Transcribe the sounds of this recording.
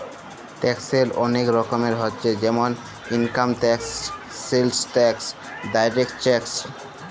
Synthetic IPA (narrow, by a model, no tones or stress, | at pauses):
ʈɛkseɾɔ̰nekɾɔkomeɾɦotːɕʰed͡ʑɛmon | inkamʈɛksː | elsʈɛks | ɖajɾekʈt͡ɕɛks